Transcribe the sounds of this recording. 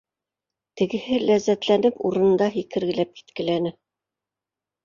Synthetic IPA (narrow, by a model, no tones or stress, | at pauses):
t̪ɘ̆ɡɘ̆hɘlæzːæt̪lænɘpuɾɤ̆nɤ̆nd̪ɑɦikɘ̆ɾɡɘ̆læp̚ki̥t̪kɘ̆lænɘ